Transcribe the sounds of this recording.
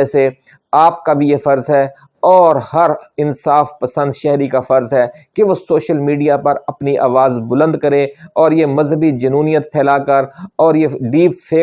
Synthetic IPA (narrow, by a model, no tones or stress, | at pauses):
ɛse | aːp̚kabʱijefɐɾzɦɛː | ɔːɾhɐɾɪnsaːfpəsə̃nd̪ʃɛɦɾikafɐɾzɦɛːkeʋoːsoːʃəlmiːɖijapɐɾɐpniʔaːʋaːzbʊlə̃nd̪kəɾẽɔːɾjemɐzɦəbid͡ʒɐnuːnijət̪̚pʰɛːlakəɾɔːɾjeɖiːpfʰeː